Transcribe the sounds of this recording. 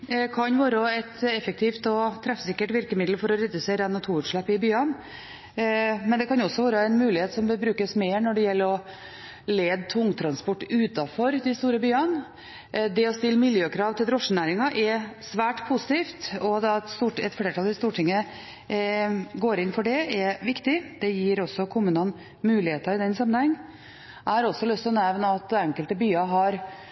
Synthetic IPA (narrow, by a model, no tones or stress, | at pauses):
kʰɑnʋɑːɾəɛt̪ɛfək̚t̪ʰiːft̪ɔt̪ʰɾɛfsɪkːəʈʋɪɾkəmɪd̪lfɔɾɔɾɛd̪ʉseːɾəɛnːɔt̪ʰuːʉːt̪ʂɭɛpːɪbyːɑn | mɛnd̪ɛkɑnɔsːɔʋɑːɾəæɪnmʉːlɪheːt̪sɔməbɾʉːkəsmeːɾɳɔɖɛjɛlːəɾɔ | leːd̪t̪ʰʊŋːt̪ʰɾɑnspɔʈːʉːt̪ɑfɔɾd̪ɛst̪uːɾəbyːɑn | d̪ɛɔst̪ɪlːəmɪljøːkʰɾɑːʋt̪ʰɪld̪ɾɔʂːənæːɾɪŋɑʔɛsʋæːʈpʰusɪ̥t̪ʰiːft̪ɔd̪ɑt̪st̪uːʈɛt̪fleːʈʰɑlɪst̪uːʈʰɪŋːəə | ɡoːɾɪnfɔɖɛʔɛʋɪkt̪ɪd̪̥ɛjɪːɾɔsːɔkʰʊmʉːnən | mʉːlɪheːt̪əɾɪd̪ɛnsɑmənhɛŋː | æhɑɾɔsːɔlʉst̪ʰɪlɔnɛʋnəɑt̪̚d̪ɛɛŋkəlt̪əbyːɑɦɑɾ